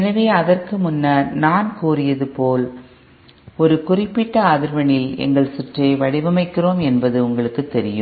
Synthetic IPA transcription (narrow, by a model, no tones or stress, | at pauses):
ɛnɐʋeːɐðɐrkɯmʊnːɐnaːnkuːrɪjɐðɯpoːl | ɔɾɯkʊrɪpːɪʈːɐɐðɪɾʋɐɳɪlɛ̰ŋɡɐɭsʊʈrɐɪʋɐɽɪʋɐmɐɪkːɪroːmɛnbɐðɯʊŋɡɐɭɯkːɯt̪ːɛɾɪjɯmm